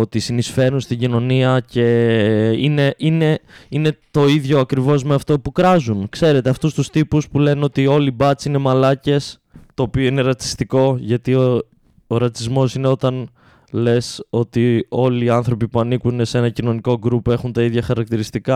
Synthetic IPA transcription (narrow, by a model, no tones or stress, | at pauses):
ot̪isinisfe̞ɾunst̪iɲɟino̞niɐce̞ | ine̞ʔine̞ine̞t̪o̞iðʝo̞ɐkɾivo̞zme̞ɐft̪o̞pukɾɐzunkse̞ɾe̞t̪e̞ɐft̪ust̪ust̪ipuspule̞neo̞t̪io̞libɐt͡sine̞mɐlɐce̞s | t̪o̞ːpio̞ine̞ɾɐt͡si̥st̪iko̞ʝɐt̪io | oɾɐt͡sizmo̞sine̞o̞t̪ɐn | le̞so̞t̪io̞liːɐnθɾo̞pipuɐnikunese̞nɐcino̞niko̞ɡɾupoe̞xunt̪ɐiðʝɐxɐɾɐk̚t̪iɾist̪ikɐ